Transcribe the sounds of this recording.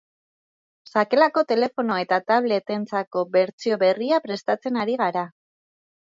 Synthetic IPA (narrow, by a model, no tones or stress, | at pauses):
sake̞lako̞t̪e̞le̞fo̞no̞e̞t̪at̪aβ̞le̞t̪e̞nt͡sako̞βe̞ɾt͡sio̞βe̞riapɾe̞st̪at͡se̞naɾiɣ̞aɾa